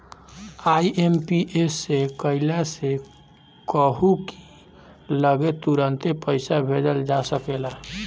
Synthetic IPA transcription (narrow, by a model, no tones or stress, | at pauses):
aiʔempiʔesːekəilase | kəɦuki̥ | ləɡet̪uɾənt̪epəɪsabʱedəld͡ʒasəkela